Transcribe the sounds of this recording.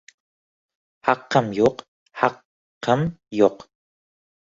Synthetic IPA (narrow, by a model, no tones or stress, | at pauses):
hɑqːɑmjoq | hɑqː | ɑmjoq